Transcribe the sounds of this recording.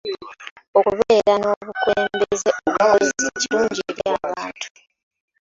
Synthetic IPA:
o̞kuβeːɾano̞ːβukweːmbezeʔoɡaozzeciluːɲɟieɾjaːβaːntʰu̥

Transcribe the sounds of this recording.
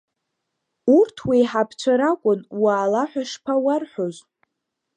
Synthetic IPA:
urtʰwiħapʰt͡ʃʷʰaɾakʷʼʊnwaːlaħʷᶣaʂpʰawarħʷᶣozʷ

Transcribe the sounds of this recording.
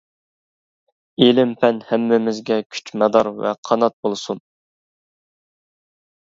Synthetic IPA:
elɪmpʰɛnhɛmːɪmɪzɡʲɛkʲʰy̥t͡ʃmɛd̪ɑɾvɛ̰qʰɑnɑt̪̚bolˠsun

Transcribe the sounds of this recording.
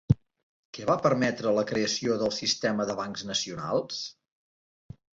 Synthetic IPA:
kɛβapəɾmɛt̪ɾələkɾeəsioðəlˠsist̪ɛməðəβaŋkznəsiuna̰lˠs

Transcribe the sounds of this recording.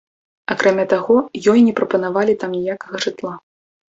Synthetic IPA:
akɾamʲat̪aɣɔjɔjnʲɛpɾɐpɐnavalʲit̪amnʲijakɐɣɐʐɨt̪lˠa

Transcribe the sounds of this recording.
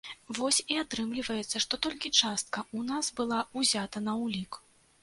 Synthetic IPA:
vɔsʲiat̪ɾɨmlʲivɐjɛt̪sːɐʂt̪ɔt̪ɔlʲkʲit͡ʂast̪̚kɐʔunasbɨlˠauzʲat̪ɐnɐwlʲik

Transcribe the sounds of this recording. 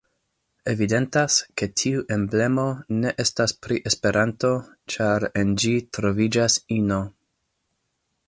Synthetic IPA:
e̞vide̞ntaske̞tʰiuʔe̞mble̞mo̞ne̞ʔe̞staspɾiʔe̞spe̞ɾanto̞ | t͡ʃaɾe̞nd͡ʒitɾo̞vid͡ʒasino̞

